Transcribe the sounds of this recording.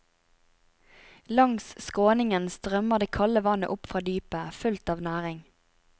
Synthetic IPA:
lɑŋsskoːnɪŋənst̪ʁœməʁd̪eːkʰɑləʋɑnə̰ʔʊpfʁɑːd̪yːpəfʉlt̪ɑːʋnæːʁɪŋ

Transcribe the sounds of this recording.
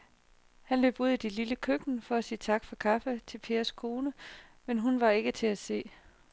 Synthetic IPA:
hænlø̰ːb̥uð̞̰ˠid̥ililəkʰøɡ̥nəfɒ̽æsiːt͡sʰɑ̈ɡ̥fɒ̽kʰɑ̈fət͡sʰe̝lpʰe̝ːɐskʰo̝ːnəmenɦunʋɑ̈e̝ɡ̥ət͡sʰe̝æse̝̰ː

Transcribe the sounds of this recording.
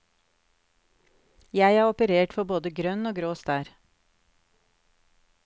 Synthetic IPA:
jæɪæːɔpəɾeːʈfɔboːd̪əɡɾœnoːɡɾoːst̪æːɾ

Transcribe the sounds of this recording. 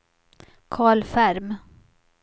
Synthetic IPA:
kʰɑːɭfæɾm

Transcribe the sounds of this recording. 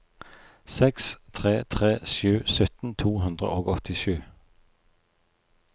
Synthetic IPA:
sɛkst̪ʰʁeːt̪ʰʁeːsjʉːsœt̪n̩t̪ʰuːhʉnd̪ʁə̰ʔoːɡɔt̪ɪʃʉː

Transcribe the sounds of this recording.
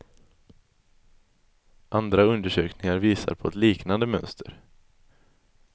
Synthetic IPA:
ʔand̪ɾaɵnd̪əʂøːknɪŋaɾviːsa̰ɾpʰɔɛt̪liːknand̪əmœnst̪ʰəɾ

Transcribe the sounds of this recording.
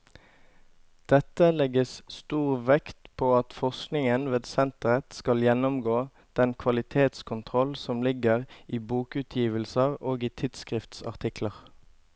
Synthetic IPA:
d̪̥ɛt̪əlɛɡəsst̪uːʁʋɛkt̪pʰoːɑt̪fɔʁsknɪŋənʋeːd̪sɛnt̪əʁət̪skɑljɛnɔmɡoː | d̪̥ɛnkʰʋɑlɪt̪ʰeːt̪skʰʊnt̪ʰʁɔlsɔmlɪɡəʁiːbuːkʉt̪ʰjiːʋəlsəʁoːɡiːt̪ʰɪd̪skʁɪft̪sɑ̰ʁt̪ʰɪkləʁ

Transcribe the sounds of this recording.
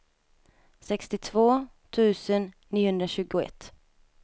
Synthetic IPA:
sɛkst̪ɪt̪ʰvoː | t̪ʰʉ̟ːsənːiːʊhɵnd̪ɾaɕʉ̟ːɡʊɛ̰t̪ː

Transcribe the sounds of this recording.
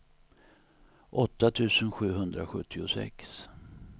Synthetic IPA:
ʔɔt̪ːat̪ʰʉ̟ːsənɧʉ̟ːɦɵnd̪ɾa̰ɧɵt̪ʰːɪʊsɛ̰ks

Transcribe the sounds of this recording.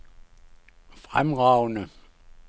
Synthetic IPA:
fʁamʁɑʊnə

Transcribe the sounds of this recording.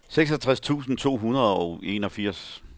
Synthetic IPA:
seɡ̥sɒt͡sʰʁast͡sʰṵːsn̩t͡sʰo̝̰ːɦunɐðˠɒʊe̝̰nɒ̽fiɐ̰s

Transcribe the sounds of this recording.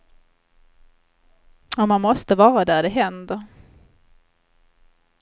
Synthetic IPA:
ɔmːanmɔst̪əvɑːɾad̪æɖɛɦɛnd̪əɾ

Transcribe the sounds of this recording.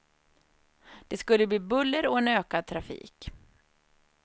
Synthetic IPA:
d̪̥ɛskɵlːəbliːbɵlːəɾɔɛnøːkad̪̚t̪ʰɾafḭːk

